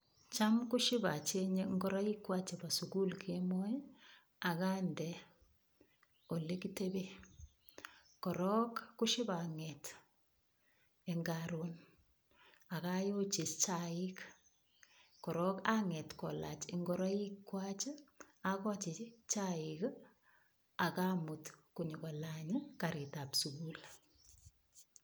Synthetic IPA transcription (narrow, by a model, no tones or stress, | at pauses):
t͡ʃamkuʃiɪbat͡ʃeɲeŋɡɔɾaikːwat͡ʃebasukulkʰemoj | akandɛ | olekitebe | kɔɾɔkːuʃɪbaŋɛt | eŋɡaɾon | akajot͡ʃist͡ʃaik | kɔɾɔkaŋɛtkɔla̰t͡ʃɪŋɡɔɾaikːwat͡ʃ | akɔt͡ʃɪt͡ʃaɪk | akamutkuɲikɔlaɲɪkaɾitapsuɡul